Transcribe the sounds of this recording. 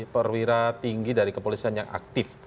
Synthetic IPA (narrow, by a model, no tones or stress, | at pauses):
pərwiɾat̪iŋɡidaɾikəpolisianjaŋʔa̰k̚t̪ɪf